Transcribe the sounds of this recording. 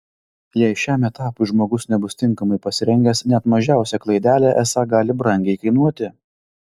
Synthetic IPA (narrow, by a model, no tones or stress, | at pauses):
jɛɪʃʲæːmɛt̪ɑːpʊɪʒmoːɡʊsnʲɛbʊst̪ʲɪŋˑkɐmɐɪpɐsʲɪɾʲɛŋʲɡʲɛsnʲɛt̪mɐʒʲæˑʊsʲɛklˠɐɪd̪ʲæːlʲæʔɛsɑɡɑːlʲɪbɾɐŋʲɡʲɛɪkɐɪnuɔt̪ʲɪ